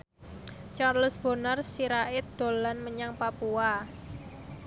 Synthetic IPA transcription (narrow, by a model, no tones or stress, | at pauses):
t͡ʃarləsb̥ɔ̤nərsiɾaʔɪt̪̚d̪̥o̤lanməɲaŋpapua